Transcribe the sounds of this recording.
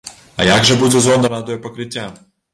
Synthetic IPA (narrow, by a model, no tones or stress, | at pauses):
ɐ̰jaɡʒɛbud͡zʲɛzɔnd̪ɐnɐt̪ɔjɛpɐkɾɨt̪ʲːa